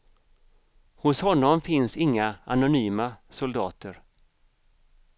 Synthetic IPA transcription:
hʊshɔnːɔmfɪnsɪŋːaʔanʊnyːmasʊld̪ɑːt̪əɾ

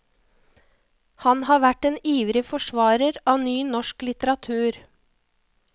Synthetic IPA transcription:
hɑnhɑːʋæʈeːniːʋɾɪfɔʃʋɑːɾəɾɑːnyːnɔʃklɪt̪əɾɑt̪ʰʉːɾ

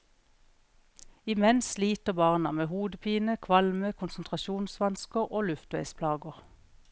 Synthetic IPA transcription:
ɪmɛnsliːt̪əʁbɑʁnɑmeːhuːd̪əpʰiːnəkʰʋɑlməkʰʊnsnt̪ʰʁɑʃuːnsʋɑnskəʁoːlʉft̪ʋæɪspʰlɑːɡəʁ

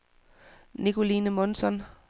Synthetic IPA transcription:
nikʰo̝liːnəmɔnsɒn

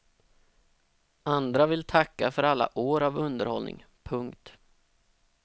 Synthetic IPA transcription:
ʔand̪ɾavɪlt̪ʰakːafœɾalːa̰ʔoːɾavɵnd̪əɾhɔlnɪ̰ŋ | pʰɵŋkt̪

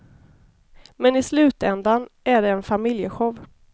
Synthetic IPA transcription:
mɛnɪslʉ̟ːt̪ɛnd̪anʔæɖɛːnfamɪljəɧɔv

